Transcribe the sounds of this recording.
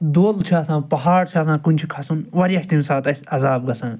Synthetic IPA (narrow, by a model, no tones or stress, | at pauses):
d̪oːlt͡ʃʰaːsãːpɐɦaːɽt͡ʃʰaːsãːkunʲt͡ʃʰikʰɐsunʋɐɾiɐʃt̪imsaːt̪ɐsʲɐzaːb̚ɡɐsãː